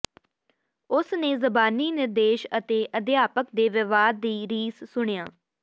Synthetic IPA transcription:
ʊsnẽːzəbaːniːnɪɾd̪eːʃət̪eːʔəd̪ɪjaːpəkd̪eːʋɪʋaːd̪ːiːɾiːssʊɳ̃ejaː

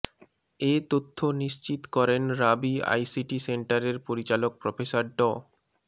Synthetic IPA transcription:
et̪ot̪ʰːoniʃt͡ɕit̪kɔɾenɾabia̰jsiʈiseɳʈaɾeɾpoɾit͡ɕalok̚pɾɔfesaɾɖɔ

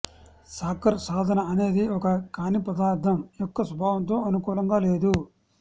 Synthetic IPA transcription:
saːkɐɾsaːd̪ʱɐnɐɐne̞ːd̪iɔkɐkaːnipɾɐd̪aːɾt̪ʰɐmjɔkːɐsɐbʱaːʋɐnt̪o̞ːɐnukuːlɐŋɡaːle̞ːd̪u

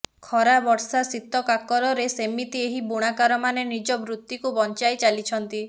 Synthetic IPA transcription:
kʰɔɾabɔɾsasit̪ɔkakɔɾɔɾesemit̪ieɦibuɽ̃akaɾɔmanenid͡ʒɔbɾut̪ːikubɔnt͡ʃajt͡ʃalit͡ʃʰɔnt̪i

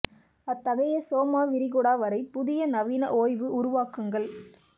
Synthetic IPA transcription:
ɐt̪ːɐɣɐjɐsoːmaːʋɪɾɪɣɔɽaːʋɐɾɐɪpʊðɪjɐnɐʋiːnɐ̰ʔoːjʋɯʔʊɾʊʋaːkɯŋɡɐɭ

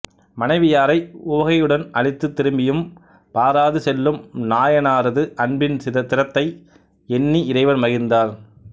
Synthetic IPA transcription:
mɐnɐɪʋɪjaːɾɐɪʊʋɐɣɐjɯɽɐnɐɻɪt̪ːɯt̪ːɪɾɯmbɪjɯm | paːɾaːðɯsɛlːɯmnaːjɐnaːɾɐðɯʔɐɳbɪnɐt̪ɪɾɐt̪ːɐɪ | ɛnːiɪɾɐɪʋɐɾmɐɣɪnd̪aːɾ

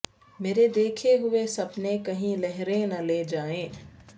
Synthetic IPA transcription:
meːɾed̪eːkʰeɦʊesɐpnekɐɦĩlɛɦɾenɐleːd͡ʒaːẽː

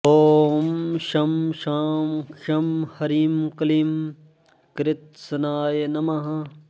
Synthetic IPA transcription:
oːmʃɐmʃaːmʃɐmhɐɾiːmkɐliːm | kɾɪt̪̚sɐnaːjenɐmɐɦɐ̃

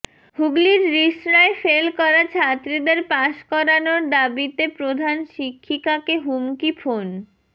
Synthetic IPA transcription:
huɡliɾːiʃɾaefelkɔɾat͡ɕʰat̪ːɾid̪eɾpaʃkɔɾanoɾd̪abit̪epɾod̪ʱanʃikʰːikakeɦumkifʰon

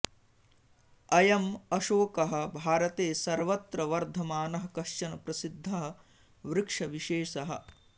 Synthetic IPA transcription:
ɐjɐmɐʃoːkɐɦɐ̆bʱaːɾɐt̪eːsɐɾʋɐt̪ɾɐʋɐɾd̪ʱɐmaːnɐɦɐkɐʃt͡ʃɐnɐpɾɐsid̪ʱːɐɦɐ̆ | ʋɾɪkʂɐʋiʃeːʂɐɦɐ̰̆

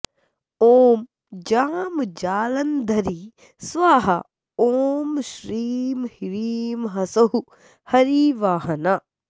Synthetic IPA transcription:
oːm | d͡ʒaːmd͡ʒaːlɐnd̪ʱɐɾi | sʋaːɦɐ | oːmʃɾiːmhiɾiːmɦɐsɐɦu | hɐɾiːʋaːɦɐna

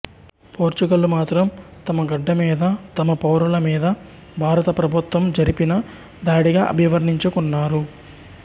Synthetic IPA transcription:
poːɾt͡ʃuɡɐlumaːt̪ɾɐmt̪ɐmɐɡɐɖːɐmiːd̪ɐt̪ɐmɐpɐwɾulɐmiːd̪ɐ | bʱaːɾɐt̪ɐpɾɐbʱut̪ʋɐmd͡ʒɐɾipinɐ | d̪aːɽiɡaːʔɐ̰bʱiʋɐɾniɲt͡ʃukunːaːɾu

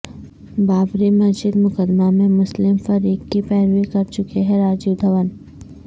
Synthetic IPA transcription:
baːbɾimɐsd͡ʒɪd̪mʊkəd̪mamẽmʊslɪmfɐɾiːkːipɛːɾʋikɐɾt͡ʃʊkeɦɛɾaːd͡ʒud̪ʱɐʋən

